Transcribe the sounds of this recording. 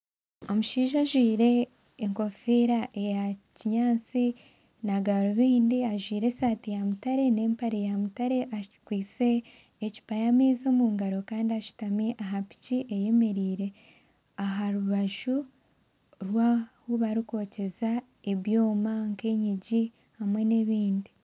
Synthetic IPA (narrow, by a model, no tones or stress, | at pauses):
o̞muʃiːʒaʒwiːɾe̞ː | ŋko̞fiːɾaʔe̞jaciɲaːt͡si | naɡaɾoβiːndiaʒwiːɾe̞saːtijamutaɾe̞ne̞ːmpaɾejamutaɾe̞ʔakwiːt͡se̞ː | ci̥pajamiːzomuːŋɡaɾo̞kaːndiaʃi̥tamiʔaɦapi̥ciʔeje̞me̞ɾiːɾe̞ | aɦaɾuβaʒu | ɾwaːhuβaɾiko̞ːce̞za | e̞βjo̞ːmaŋke̞ɲiɟi | hamwe̞neβiːndi